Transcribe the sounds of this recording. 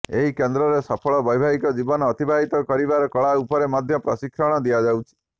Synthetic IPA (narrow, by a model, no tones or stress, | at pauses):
eɦikend̪ɾɔɾesɔpʰɔɭɔbɔjbʱaɦikɔd͡ʒibɔnɔːt̪ibʱaɦit̪ɔkɔɾibaɾɔkɔɭaupɔɾemad̪ʱjɔpɾɔsikʰɾɔɽ̃ɔd̪ijad͡ʒawt͡ʃʰi̥